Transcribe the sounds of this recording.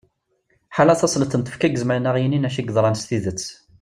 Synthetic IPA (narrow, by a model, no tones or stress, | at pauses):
ħalæθɑsˤlət̪ːənt̪ə̥fkæɡəzməlnæʁjininæʃiɡðˤɾˤɑnəst̪iðət͡sː